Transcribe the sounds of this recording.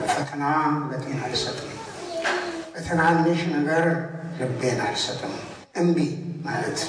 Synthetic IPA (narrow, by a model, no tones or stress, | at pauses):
fət̪ʰənanhulɐt̪ʼenalsɐt̪ʼɨm | fət̪ʰɐnanɨʃnəɡəɾlɨbːenalsət̪ʼɨm | ʔɨmbimalət̪